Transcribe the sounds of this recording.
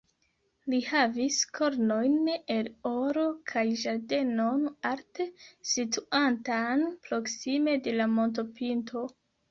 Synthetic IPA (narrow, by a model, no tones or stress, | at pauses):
lihaviskʰo̞ɾno̞jne̞loɾo̞kʰajʒaɾde̞no̞naɾtesituantanpɾo̞ksime̞de̞lamo̞nt̬o̞pintʰo̞